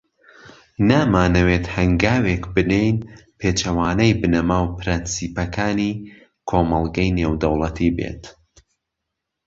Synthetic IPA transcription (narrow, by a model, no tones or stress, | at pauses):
naːmaːnɐwet̪hɐŋɡaːwekbɨnejnpʰeːt͡ʃɐwaːnɐjbɨnɐmaːwpʰɨɾɨnsiːpɐkʰaːni | kʰoːmɐlˠɡɐjneːwd̪ɐwlˠɐt̪ʰiːbḛːt̪